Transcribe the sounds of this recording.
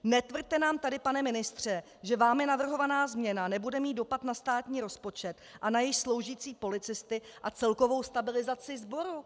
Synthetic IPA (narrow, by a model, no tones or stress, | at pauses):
nɛt̪vr̩dt̪ɛnaːmt̪adɪpanɛmɪnɪst̪r̝̥ɛ | ʒɛvaːmjɛnavr̩ɦo̞vanaːzmɲɛnanɛbudɛmiːdo̞pat̪nast̪aːt̪ɲiːɾo̞spo̞t͡ʃɛt̪ʔanajɪʃslo̞wʒiːt͡siːpo̞lɪt͡sɪst̪ɪʔat͡sɛlko̞vo̞wst̪abɪlɪzat͡sɪzbo̞ɾu